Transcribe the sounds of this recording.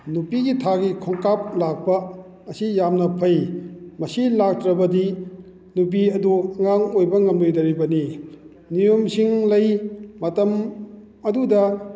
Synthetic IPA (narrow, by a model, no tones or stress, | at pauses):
nupiɡitʰaɡikʰɔŋkap̚lak̚pɐː | sijamnɐpʰɐjmɐsilak̚tɾɐbɐdi | nup̬iɐduɐŋaŋojbɐŋɐmdɯjdɐɾibɐni | nijomsiŋlɐjmɐtɐm | ɐdudɐ